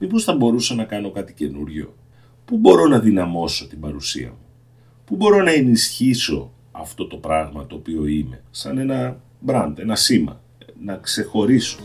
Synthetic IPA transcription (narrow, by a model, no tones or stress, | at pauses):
mipo̞sθɐbo̞ɾusɐnɐkɐno̞kɐt̪ice̞nuɾʝo̞̰ | pubo̞ɾo̞nɐðinɐmo̞so̞t̪ibɐɾusḭɐ̰mu | pubo̞ɾo̞nɐe̞nisçiso̞ | ɐft̪o̞t̪o̞pɾɐɣmɐt̪o̞ːpio̞ime̞sɐne̞nɐ | bɾɐnd̪e̞nɐsimɐ̰ | nɐkse̞xo̞ɾiso̥